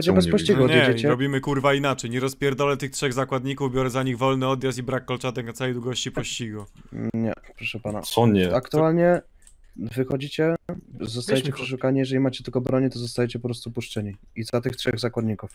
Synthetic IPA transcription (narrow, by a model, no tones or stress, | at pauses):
ɔt͡ɕɛbɛspɔɕt͡ɕiɡuɔdɲvjeɛd͡ʑɛt͡ɕɛɾɔbʲimɘkuɾvainat͡ʂɛjɲɛɾɔspʲjɛɾd̪alɛt̪ɘxtʂɛɣzakwad̪ɲikuvbʲjɔɾɛzaɲiɣvɔlnɘɔd̪jast̪ibɾakːɔlt͡ʂat̪ɛknat̪sawɛjd̪wuɡɔɕt͡ɕipɔɕt͡ɕiɡuɲɛ̰pɾɔʂɛpana̰sɔɲɛakt̪ualɲɛ | vɘxɔd͡ʑit͡ɕɛzɔsajɛt͡ɕɛpʂɛʂ̬ukaɲijɛʐɛlʲimat͡ɕɛt̪ɘlkɔbɾɔɲit̪ɔzɔst̪ajet͡ɕɛpɔpɾɔst̪upuʂt͡ʂɛɲiizat̪ɘxtʂɛɣzakwad̪̚ɲikuf